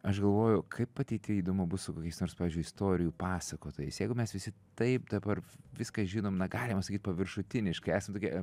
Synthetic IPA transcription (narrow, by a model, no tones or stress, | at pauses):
ɐʃɡɐlˠʋoːjʊkʰɐɪpɐt̪ʲɛɪt̪ʲɪiːd̪oːmʊbʊssʊkoːkʲɛɪsnoːrspɑːʋʲiːzʲd͡ʒʲʊɪɪst̪oːɾʲɪjuːpɑːsɐkoːt̪oːjɛɪsjɛɪɡʊmʲɛsʋʲɪsʲɪt̪ɐɪp̚d̪ɐbɐrʋʲɪskɐʒʲiːnoːmnɐɡɑːlʲɪmɐsɐkʲiːt̪̚ʲpɐʋʲɪɾʃʊt̪ʲɪnʲɪʃkɐɪæːsɐmt̪oːkʲiɛ